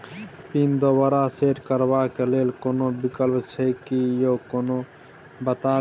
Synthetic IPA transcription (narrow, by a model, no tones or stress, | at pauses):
pind̪obəɾaseʈkəɾbakelelkonobikəlpt͡ʃʰəkijokono | bət̪a